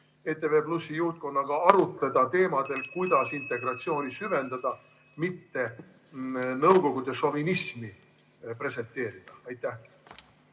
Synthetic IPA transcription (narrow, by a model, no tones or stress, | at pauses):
e̞t̪ːˑe̞ve̞ːplusːijuht̪̚ko̞nːɑɡ̥ɑɑɾut̪ˑled̪̥ɑt̪e̞ːmɑd̪̥e̞lkujd̪̥ɑsint̪ːˑe̞ɡrɑt̪sio̞ːnisyve̞nd̪ɑd̪̥ɑ | mit̪ːe̞ | nɤwko̞ɡ̥ud̪̥e̞ʃo̞vinismi | pre̞se̞nt̪ːˑe̞ːɾid̪̥ɑɑjt̪ːˑæh